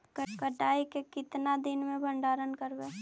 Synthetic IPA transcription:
kkəʈaːikekɪt̪nad̪ɪnmẽbʱə̃ɳɖaːɾənkəɾbeː

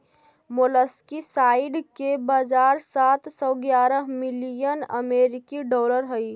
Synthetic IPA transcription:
moləskisaiɖkebad͡ʒaɾsat̪sɔɡjaɾəɦmilijənə̰meɾikiɖɔːləɾɦəi

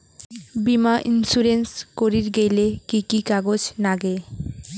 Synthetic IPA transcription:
bimaʔinsuɾenskoɾiɾɡejlekikikaɡod͡ʑnaɡe

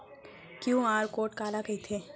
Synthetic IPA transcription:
kjũaːɾkoːʈkaːlaɡɐit̪ʰeː

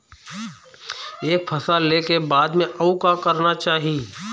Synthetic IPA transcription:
eːk̚pʰɐsalekebaːd̪mẽʔɐukakɐɾnat͡ʃaːɦi

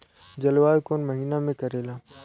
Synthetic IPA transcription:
d͡ʒɐlʋaːekoːnməɦiːnamẽkɐɾeːlaː

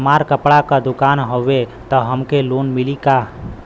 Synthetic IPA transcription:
maɾkəpɽakəd̪ʊkanɦoʋet̪əɦəmkelonmilika

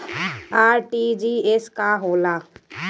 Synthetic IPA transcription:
aːɾʈid͡ʒieskaɦoːla

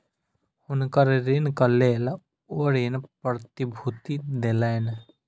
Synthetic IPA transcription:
hʊnkəɾɾenkɐleːl | oːɾenpɾɾət̪ibʱut̪id̪elan

